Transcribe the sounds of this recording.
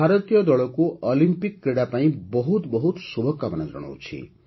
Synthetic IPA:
bʱaɾɔt̪ijɔd̪ɔɭɔkuʔɔlimpikːɾeɽapaĩbɔɦut̪bɔɦut̪subʱɔkːabanad͡ʒɔ̰ɽ̃ɔ̰wt͡ʃʰḭ

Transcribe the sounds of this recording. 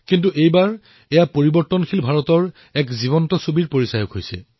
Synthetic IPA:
kintuʔejbaɹ | ɛjapoɹibɔɹtɔnkʰilbʱaɹɔtɔɹ | ɛkzibɔntɔsobiɹpoɹisajɔkɦojsɛ̰

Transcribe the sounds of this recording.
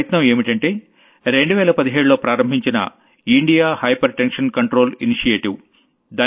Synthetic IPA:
ɐt̪nɐme̞ːmiʈɐɳʈe̞ː | ɾe̞ɳɖuʋɛːlɐpɐd̪iɦeːɽulo̞ːpɾaːɾɐmbʱiɲt͡ʃinɐ̰ | iɳɖijaːhɐjpɐɾʈenʂɐnkɐɳʈɾo̞ːlḭniʂijeːʈiw | d̪aː

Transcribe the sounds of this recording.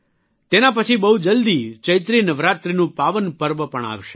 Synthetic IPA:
t̪enapət͡ʃʰibəɦud͡ʒəld̪it͡ʃəjt̪ɾinəʋɾat̪ɾinũpaʋənpəɾbəpəɳa̰ʋʃe

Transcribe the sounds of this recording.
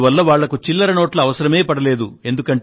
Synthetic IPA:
ʋɐlːɐʋaːɭːɐkut͡ʃilːɐɾɐnoːʈlɐːʋɐsɐɾɐme̞ːpɐɽɐle̞ːd̪ue̞nd̪ukɐɳ

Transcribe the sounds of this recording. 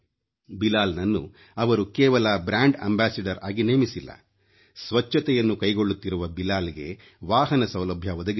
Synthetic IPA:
bilaːlnɐnːṵ | ɐʋɐɾukɛːʋɐlɐbɾaːɳɖɐ̰mbaːsɐɖɐɾa̰ːɡineːmisilːɐ̰ | sʋɐt͡ʃːɐt̪ɛjɐnːukɐjɡo̞ɭːut̪ːiɾuʋɐbilaːliɡe̞̰ | ʋaːɦɐnɐsɐwlɐbʱjɐʋɔd̪ɐɡi

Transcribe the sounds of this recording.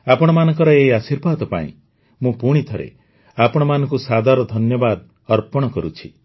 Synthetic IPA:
apɔɽ̃ɔmanɔ̃ŋkɔɾɔeasiɾbʱad̪ɔpa̰ḭ̃ | mũpuɽ̃it̪ʰɔɾḛ | apɔɽ̃ɔmanɔ̃ŋkusad̪ʱaɾɔd̪ʱɔnjɔbad̪ | ɔɾpɔɽ̃ɔkɔɾut͡ʃʰi

